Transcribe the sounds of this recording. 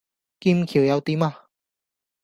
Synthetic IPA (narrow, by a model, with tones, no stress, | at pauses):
ki˧mkʰi˨˩wjɐ˨˧wt̪i˧˥ma˧